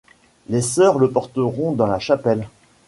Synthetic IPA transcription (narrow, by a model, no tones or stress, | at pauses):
lesœʁləpɔʁt̪əʁɔ̃d̪ɑ̃laʃapɛl